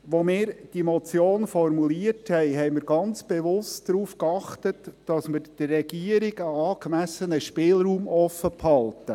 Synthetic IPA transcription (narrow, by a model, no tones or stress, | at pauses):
ʋomɪːɾd̥imɔt͡sjoːnfɔrmuliərthɛɪɦɛɪmɪɾɡɑnt͡sb̥ɛʋʊstdɾuːfkɑχtətd̥ɑsmɪɾd̥ɪrːɛɡiəɾɪɡəɑːkmæsənəʃpɪːlɾuːmʔɔfəphɑltə